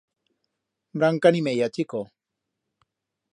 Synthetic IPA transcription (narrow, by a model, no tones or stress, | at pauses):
bɾaŋkanimejat͡ʃiko